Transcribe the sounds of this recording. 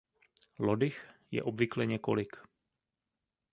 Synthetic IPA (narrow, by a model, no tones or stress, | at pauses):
lodɪxjɛ̰ʔobvɪklɛɲɛko̞̰lɪk